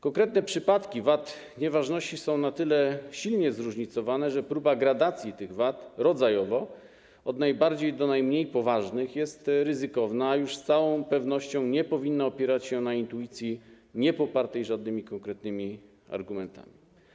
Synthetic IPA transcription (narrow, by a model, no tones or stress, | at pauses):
kɔŋkɾɛt̪nɛpʂɘpat̪kʲivat̪ | ɲɛvaʐnɔɕt͡ɕisɔ̃w̃nat̪ɘlɛɕilɲɛzɾuʐɲit̪sɔvanɛʐɛpɾubaɡɾad̪at̪sʲjit̪ɘɣvat̪ɾɔdzajɔvɔ | ɔd̪najbaɾd͡ʑejd̪ɔnajmɲejpɔvaʐnɘxjɛst̪ɾɘzɘkɔvnaːjuʂst̪sawɔ̃w̃pɛvnɔɕt͡ɕɔ̃w̃ɲɛpɔvʲinːaɔpʲjɛɾat͡ɕɕɛnaint̪ujit̪sʲji | ɲɛpɔpaɾt̪ɛjʐad̪nɘmʲikɔŋkɾɛt̪nɘmʲi | a̰ɾɡumɛnt̪a̰mʲi